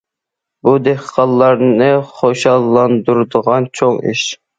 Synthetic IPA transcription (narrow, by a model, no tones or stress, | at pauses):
bud̪eχqʰɑlˠːɑɾnɨχoʃɑlˠːɑnd̪uɾd̪əʁɑnt͡ʃʰoŋḭʃ